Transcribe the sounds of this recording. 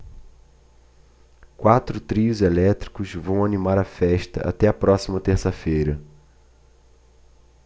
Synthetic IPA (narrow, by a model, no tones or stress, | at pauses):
kwat̪ɾʊt̪ɾiʊzelɛt̪ɾi̥kʊzvɐ̃w̃animaɾɐfɛʃt̪ɐ̰ʔa̰t̪ɛɐpɾɔsimɐt̪eɾsɐfejɾɐ